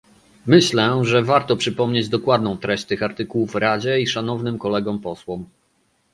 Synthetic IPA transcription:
mɘɕlɛʐɛvaɾt̪ɔpʂɘpɔmɲed͡ʑd̪ɔkwad̪nɔ̃w̃t̪ɾɛɕt͡ɕt̪ɘxaɾt̪ɘkuwufɾad͡ʑɛiʂanɔvnɘmkɔlɛɡɔmpɔswɔm

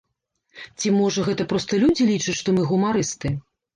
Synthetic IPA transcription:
t͡sʲimɔʐɐɣɛt̪ɐpɾɔst̪ɐlʲud͡zʲilʲit͡ʂɨt͡sʲʂt̪ɔmɨɣumaɾɨst̪ɨ

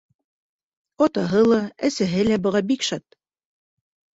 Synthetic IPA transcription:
ɒt̪ɑɦɤlˠɑæsæɦɘlæbɤ̆ʁɑbikʃɑt̪̚

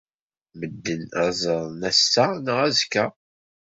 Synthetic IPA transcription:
məd̪ːənæzˤəɾˤnæsːanəʁæzkːæ

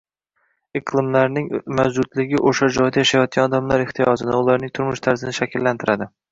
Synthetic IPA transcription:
ɪqlˠɪmlaɾnɪŋmad͡ʒʊd̪lɪɡʲɪʔoʃad͡ʒɒjd̪ajaʃajɒt̪̚kʲanɒd̪amlaɾɪχt̪ʰɪjɒzɪnaʊlˠaɾnɪŋt̪ʰʊɾmʊʃt̪ʰaɾzɪnɪʃakʲɪlːant̪ʰɪɾad̪ɪ

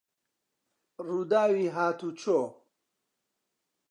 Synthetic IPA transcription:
rud̪aːwiɦaːt̪ʰut͡ʃʰo

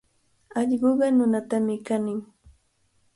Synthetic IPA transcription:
ɑʎɢoɢɑnʊnat̪amɪkanɪŋ

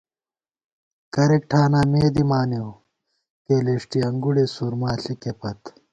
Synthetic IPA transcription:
kɐɾek̚ʈʰaːnaːmeːd̪imaːnew | k̪eːleːʂʈiɐŋɡuɽeːsuːɾmaːɬikepɐt̪

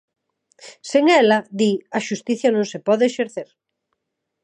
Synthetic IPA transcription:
seŋɛlaðiɐʃust̪iθjanõŋsepɔðeeʃeɾθeɾ

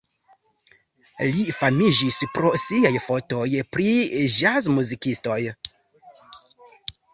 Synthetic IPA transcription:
lifamid͡ʒispɾo̞siajfo̞to̞jpɾid͡ʒazmuzikisto̞j

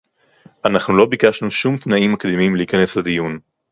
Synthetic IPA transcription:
ʔanaχnulo̞bikaʃnuʃumt̪naimːakd̪imimliːkane̞slad̪ijun

